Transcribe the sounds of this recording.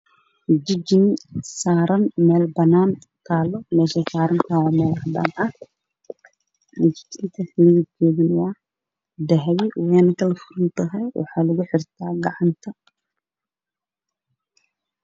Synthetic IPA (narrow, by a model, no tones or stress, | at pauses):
d͡ʒɪd͡ʒɪnsaːɾɐnmɛːlbɐnaːn | t̪ʰaːlɔmɛːʃɛsaːɾɐnt̪ʰawɔmɛːldɐ̰nɐ | md͡ʒɪd͡ʒɪnt̪ʰɐħlikʰɛːðɪnwɑ | d̪ɐɦwɪwɛːnɐk̪ɐlɐfʊɾɪnt̪ɐɦɛwʔɑ̰ħɑːlɐɣʊħɪrt̪ʰaːɡɑʕɑnt̪ʰɐ